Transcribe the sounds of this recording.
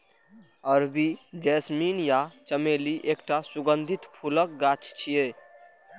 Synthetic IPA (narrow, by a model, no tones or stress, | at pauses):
əɾd̪id͡ʒɛsminjat͡ʃəmeliʔekʈasuɡənd̪ʱit̪pʰulək̚ɡat͡ʃʰt͡ʃʰije